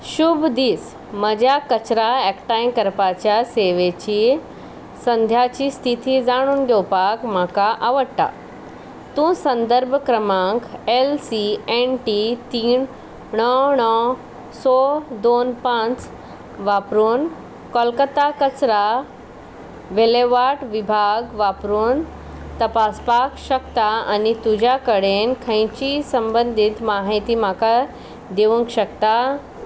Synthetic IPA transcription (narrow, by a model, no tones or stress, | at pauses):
ʃubʱd̪iːs | məd͡ʑakət͡ɕɾaɛkʈajmkəɾpat͡ɕjaseʋet͡ɕi | sə̃nd̪ʱjat͡ɕiːst̪ʰit̪id͡zaɽ̃uːnɡepakmakaʔaʋəɽʈa̰ | t̪ũsə̃nd̪əɾbʱkɾəmãŋkelsienʈit̪iːn | ɳɔɳɔ | sɔd̪onpãt͡s | ʋapɾuːn | kɔlkət̪akət͡sɾa | ʋeleʋaʈʋibʱaɡʋapɾuːn | t̪ɐpaspakɕəkt̪aa̰nit̪ud͡ʑʱjakəɽenkʰə̃j̃t͡ɕisəmbənd̪ʱit̪maɦit̪imaka | d̪eʋũŋkɕəkt̪a